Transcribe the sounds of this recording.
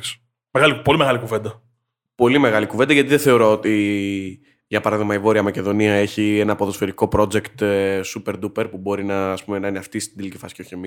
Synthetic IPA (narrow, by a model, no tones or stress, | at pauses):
ks | meɣalipo̞limeɣɐlikuve̞nd̪ɐ | po̞lime̞ɣɐlikuved̪ɐʝɐt̪iðeθe̞o̞ɾo̞ot̪i | ʝɐpɐɾɐðiɣmɐivo̞ɾiɐmɐce̞ðo̞niɐe̞çie̞nɐːpoðo̞sfe̞ɾiko̞pɾo̞d͡ze̞kt̪supe̞ɾd̪upe̞ɾpubo̞ɾinɐːspume̞nɐineɐft̪ist̪id̪ilici̥fɐsi̥ceoçemi